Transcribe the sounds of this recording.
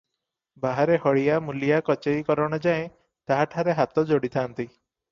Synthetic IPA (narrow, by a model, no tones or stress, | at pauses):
baɦaɾehɔɭijamulijakɔt͡ʃejkɔɾɔɽ̃ɔd͡ʒaẽ | t̪aɦaʈʰaɾeɦat̪ɔd͡ʒoɽit̪ʰant̪i